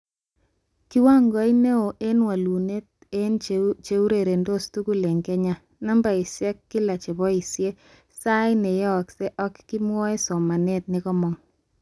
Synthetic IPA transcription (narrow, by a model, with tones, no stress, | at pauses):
ki˦wa˦ŋɡɔ˦i˦ne˦o˨ʔe˦nwa˨lu˨ne˦t̚ | e˦nt͡ʃe˨u˦ɾe˨ɾe˨ndo˦stu˦ku˦le˨ŋɡɛ˦ɲa˦ | na˦mba˨i˨sjɛ˦kːi˦la˨t͡ʃe˨bɔ˦i˨sje˦ | sa˦ine˨jɛ˦ɔ˨kse˦ʔɔ˦kːi˦mwɔ˦e˦sɔ˨ma˨ne˦t̚nikɔ˦mɔ˨ŋ